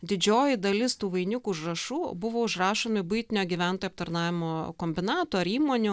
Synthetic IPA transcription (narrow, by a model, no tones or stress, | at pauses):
d̪ʲɪd͡ʒʲoːjɪd̪ɐlʲɪst̪uːʋɐɪnʲʊkuːʊʒrɐʃuːbʊʋoːʊʒɾɑːʃoːmʲɪbʊɪt̪ʲɪnʲoːɡʲiʋʲænt̪oːjːp̚t̪ɐɾnɑːʋʲɪmoːkoːmʲbʲɪnɑːt̪oːɐɾiːmoːnʲʊ